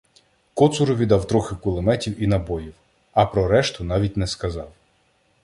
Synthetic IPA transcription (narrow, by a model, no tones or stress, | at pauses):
kɔt̪sʊɾɔʋʲid̪ɑwt̪ɾɔxɪkʊlˠemɛtʲiwinɐbɔjiw | ɐpɾɔɾɛʃt̪ʊn̪ɑʋʲitʲnɛskɐzɑw